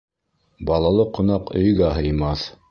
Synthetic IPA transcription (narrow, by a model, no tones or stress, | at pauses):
bɑlˠɑlˠɤqŏnɑqɵ̆jɡæɦɤ̆jmɑθ